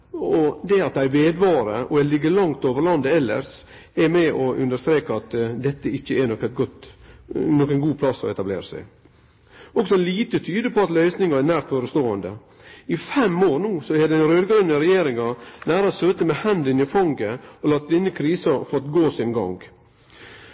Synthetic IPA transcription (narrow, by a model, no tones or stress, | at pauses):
ɔd̪ɛɑt̪̚d̪æɪʋeːd̪ʋɑːɾəʔɔɛlɪɡːəlɑŋt̪oːʋəɾlɑnd̪əɛlːə̰ɾʂ | ɛɾmɛʔɔʔʉnd̪əʂt̪ɾeːkɑɑt̪d̪ɛt̪ːəɪçːəænɔkːəɡɔt̪ | nɔkːənɡuːpʰlɑsːɔ̰ɛt̪ɑblḛːɾəsæ̰ɪ | ɔksɔliːt̪ət̪ʰyːd̪əpʰɔɑt̪lœʏsnɪŋɑænæːɾt̪foːɾəst̪oːənd̪ə̰ | ɪfɛmoːɾnuːsɔɛd̪ɛnɾøːd̪ɡɾʉnːəɾɛjeːɾɪŋɑnæːɾɑsøːt̪əmɛhɛnd̪ɪnɪfɑŋɡəɔlɑːt̪̚ɪnːəkʰɾiːsɑfɔɾɑt̪ɡoːsɪnɡɑ̰ŋɡ